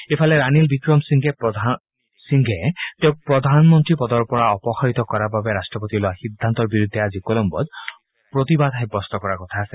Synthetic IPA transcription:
epʰaleɾanilbikɹɔmsiŋɡʱɛp | siŋɡʱɛt̪eʊ̃k̚pɹɔd̪ʱanmɔnt̪ɹipɔd̪ɔɹpɔɹaɔpɔxaɹit̪ɔkɔɹababeɾasʈɹɔpot̪iloaxid̪ʱːant̪ɔɹbiɹud̪ʱːɛazikolɔmbɔ̰d̪ | pɹot̪ibad̪ʱɛk̚bɔst̪ɔkɔɹakɔt̪ʰaːsɛ

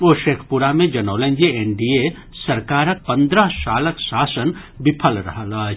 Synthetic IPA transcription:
oːʃeːkʰpuɾamẽd͡ʒɐnoːlẽnd͡ʒeeɳɖie | sɐɾkaːɾək̚pɐ̃nd̪ɾəɦsaːləksaːsən | bɪpʰəlɾɐ̰ɦlaː

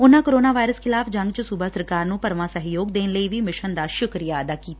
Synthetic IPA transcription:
ʊnãːkoɾoːnaːʋaːɪɾəskʰɪlaːfʰd͡ʒəŋɡt͡ʃsubaːsəɾkaːɾnũːpəɾʋãːsəɦjoːɡd̪eːnləiːʋiːmɪʃənd̪aːʃʊkɾijaːəd̪aːkiːt̪ː

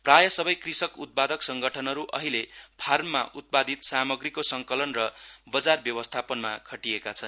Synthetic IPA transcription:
prajʌsʌbʌjkrisʌkut̪̚pad̪ʌksʌŋɡʌʈʰʌnɦʌɾuʔʌ̰ɦilepʰarmːaʔut̪̚pad̪ʱit̪samʌɡrikosʌŋkʌlʌnrʌbʌd͡zarbjʌwʌst̪ʰapʌnmakʰʌʈiekat͡sʰʌn

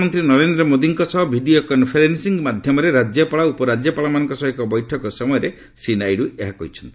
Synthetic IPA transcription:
mɔnt̪ɾinɔɾend̪ɾɔmod̪iŋkɔsɔɦɔbʱiɖiokɔnpʰeɾensiŋɡmad̪ʱjɔmɔɾeɾad͡ʒjɔpaɭaupɔɾad͡ʒjɔpaɭamanɔŋkɔsɔɦekɔbɔjʈʰɔkɔsɔmɔjɔɾe | sinajɾueɦakɔɦit͡ʃʰɔ̥nt̪ii

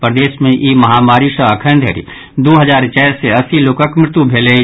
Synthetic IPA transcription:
pɾd̪eːsmẽʔiːmɐɦaːmaːɾisəəkʰənd̪ʱɦḛɾḭ | d̪oːɦəzaːɾt͡ʃɛːɾseɐsiloːkəkmɾɪt̪ubʱeːle

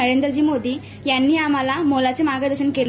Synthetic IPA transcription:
ɐɾeːnd̪ɐɾd͡ʒimoːd̪i | jɐnːiaːmalamoːlaːt͡ʃimaːɡɐd̪ɐʃɐnkeːl

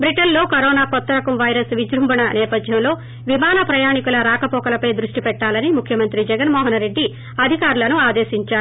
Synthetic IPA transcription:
bɾiʈɐnlo̞ːkɐɾɔːnaːkɔt̪ːɐɾɐkɐmʋɐjɾɐsʋid͡ʒɾumbɐnɐnɛːpɐd̪ʱjɐmlo̞ː | ʋimaːnɐpɾɐjaːɳikulɐɾaːkɐpɔːkɐlɐpɐjd̪ɾuʂʈipɛʈːaːlɐnimukʰjɐmɐnt̪ɾid͡ʒɛɡɐnmɔːɦɐnɾe̞ɖːi | ɐd̪ʱikaːɾulɐnuaːd̪e̞ːʃiɲt͡ʃaːɾu

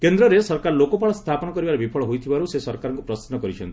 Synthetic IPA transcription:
kend̪ɾɔɾesɔɾkaɾlokopaɭɔst̪ʰapɔnɔkɔɾibaɾebipʰɔɭɔɦojt̪ʰibaɾusesɔɾkaɾɔŋkupɾɔst̪nɔkɔɾit͡ʃʰɔnt̪i

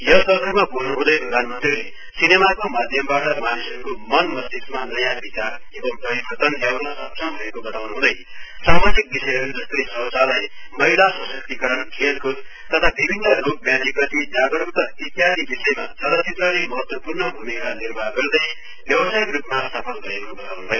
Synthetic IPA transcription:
jʌsʌkʌɾmabʱuznuɦũd̪ʌjkoɾant̪ule | sinemakomad̪ʱjʌmbaʈʌmanisʌɾukomʌnmʌsd̪ismanʌjabʱit̪a | ebʌmpʌɾibʌrt̪ʌnlawnasʌpsʰʌmbʱʌekobʌt̪awnuɦũd̪ʌj | samad͡zik̚bisʌjʌɾud͡zʌst̪ʌjsʌwt͡salaj | mʌjlasʌsʌk̚t̪ikʌɾʌnkʰelkut | t̪ʌt̪ʰabibʱinːʌrok̚bjãt̪iprʌt̪id͡zaɡʌɽuk̚t̪ʌit̪ijad̪ibisʌjema̰sʌɾʌsʰet̪rʌlemʌɦʌt̪wʌpurnʌbʱumikanirbʱaɡʌrd̪ʌj | bjʌwʌsajikrupmasapʰʌnɡʌekobʌt̪awnubʱʌjo

